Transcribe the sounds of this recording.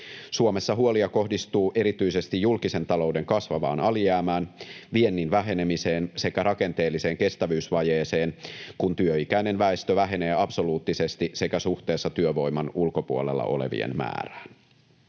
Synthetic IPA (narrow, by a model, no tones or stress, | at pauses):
suomesːɑɦuoliɑko̞hdist̪uːʔe̞ɾit̪yise̞st̪ijːulkise̞nt̪ɑlo̞ude̞ŋkɑsʋɑʋɑ̰ːnɑlijæːmæːnʋie̞nːinʋæɦe̞nemise̞ːnse̞kæɾɑke̞nt̪e̞ːlːise̞ːŋke̞st̪æʋyːsʋɑjeːseːnkunt̪yøikæijne̞nʋæest̪øʋæɦe̞ne̞ːɑpso̞luːt̪ːise̞st̪ise̞kæsuht̪e̞ːsːɑt̪yøʋo̞jmɑnulko̞puolḛlːɑ̰ʔo̞̰le̞̰ʋḭḛnmæ̰ːræ̥ːn